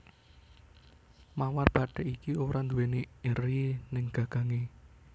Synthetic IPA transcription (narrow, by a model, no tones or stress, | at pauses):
mawarb̥aɖ̥ɛ̤ʔikiuɾand̪uweneeɾinɪŋɡ̥aɡ̥ä̤ŋe